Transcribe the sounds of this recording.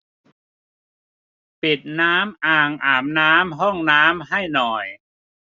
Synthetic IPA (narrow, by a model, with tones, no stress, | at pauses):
pi˨˩t̪̚naː˦˥mʔaː˨˩ŋʔaː˩mnaː˦˥mɦɔ˥˩ŋnaː˦˥mɦa˥˩jnɔː˨˩j